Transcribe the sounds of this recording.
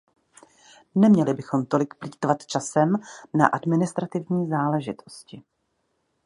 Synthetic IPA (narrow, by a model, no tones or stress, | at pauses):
nɛmɲɛlɪbɪxo̞mt̪o̞lɪkpliːt̪vat̪t͡ʃasɛmna̰ʔadmɪnɪst̪ɾat̪ɪvɲiːzaːlɛʒɪt̪ʰo̞̥scɪ